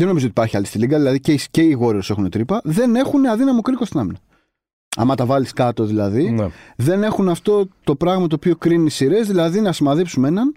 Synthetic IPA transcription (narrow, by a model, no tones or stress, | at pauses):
ðeno̞mizot̪i̥pɐɾçiɐlist̪iliɡɐðilɐðicesce̞iɣo̞ɾeo̞se̞xunet̪ɾipɐðe̞ne̞xuneɐðinɐmokɾikost̪inɐminɐ | ɐ̰mɐt̪ɐvɐliskɐt̪o̞ðilɐðinðe̞ne̞xunɐft̪o̞t̪o̞pɾɐɣmɐt̪oːpio̞kɾinisiɾe̞zðilɐðinɐsimɐðipsume̞nɐn